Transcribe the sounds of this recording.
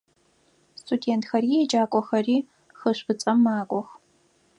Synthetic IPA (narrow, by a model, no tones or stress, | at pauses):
stʰʼudeːntxɐriɛd͡ʒʼaːkʷʼɔxɐriː | xəɕbɨt͡sʼɐmːaːkʷʼɔx